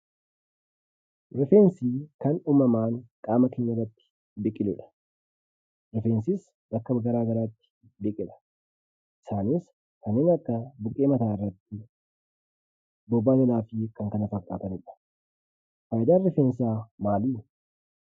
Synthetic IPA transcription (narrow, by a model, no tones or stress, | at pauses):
ɾɛfeːnsiːkɐnuːmɐmaːŋkʼaːmɐke̞ːɲːɐrːɐt̪ːɪ̥ | bɪkʼɪlɛᶑɐ̥ | ɾɛfeːnsɪs | bɐkːɐbɡɐɾaːɡɐɾaːt̪ːɪ̥ | bɪkʼɪᶑɐ̥ | ʔɪ̥saːnɪs | kɐnːeːnɐkːɐbʊkʼeːmɐt̪aːɪrːɐt̪ːɪ | bɔbːaːɡɐlaːfɪkɐŋkɐnɐfɐkʼːaːt̪ɐnɛᶑɐ̥ | fɐjd̪aːnrɛfeːnsaːmaːliː